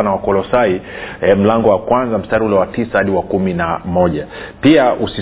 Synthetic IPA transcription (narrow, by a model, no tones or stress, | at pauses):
nawakɔlɔsaiɛm̩laŋɡɔwakwanzam̩staːɾiulɛwatisahaɗiwakuminamɔʄapiaʔusi